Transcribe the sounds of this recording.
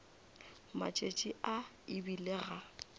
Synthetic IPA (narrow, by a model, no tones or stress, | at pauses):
ma̰t͡ʃʼet͡ʃʼiʔa | ɪbileɣa